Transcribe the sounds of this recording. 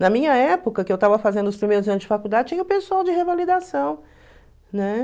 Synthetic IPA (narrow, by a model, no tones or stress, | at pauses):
nɐmĩɲɐɛpʊkɐkɪewt̪avɐfazẽnd̪ʊspɾimejɾʊzɐ̃nʊzd͡ʒɪfakud̪ad͡ʒɪt͡ʃĩɲɐʊ̃pesuawd͡ʒɪhevalid̪asɐ̃w̃ | nɛ